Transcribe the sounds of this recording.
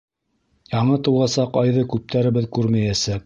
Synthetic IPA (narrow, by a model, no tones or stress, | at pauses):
jɑɴɤt̪ɤ̆wʁɑsɑqɑjðɤkʉp̚t̪ʰæɾɘ̆βɘðkʉɾmæjæsæk̚